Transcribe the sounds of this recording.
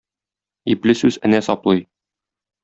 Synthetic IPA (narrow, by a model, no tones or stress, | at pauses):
iplɘsʉzɘ̆næsɒplˠɤj